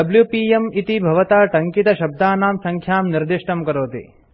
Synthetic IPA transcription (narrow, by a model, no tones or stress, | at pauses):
ɐbljupiːemit̪ibʱɐʋɐt̪aːʈɐŋkit̪ɐʃɐb̚d̪aːnaːmsɐŋkʰjaːmniɾd̪iʂʈɐmkɐɾoːt̪ḭ